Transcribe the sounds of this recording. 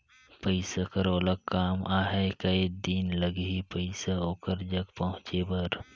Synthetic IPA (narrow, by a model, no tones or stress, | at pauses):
pəɪsakɐɾoːləkːaːmaːɦekɐid̪inləɡipəɪsaoːkəɾd͡ʒɐkpɐɦʊ̃t͡ʃebɐɾ